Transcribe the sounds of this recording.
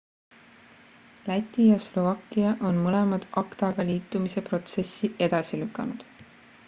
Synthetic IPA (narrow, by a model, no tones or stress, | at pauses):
læt̪ʲːˑijɑslo̞vɑkːˑiɑʔo̞nmɤle̞mɑd̪̥ʔɑkt̪ɑɡ̥ɑliːt̪ːˑumise̞pro̞t̪se̞sːiʔe̞d̪̥ɑsilykːˑɑnud̪̥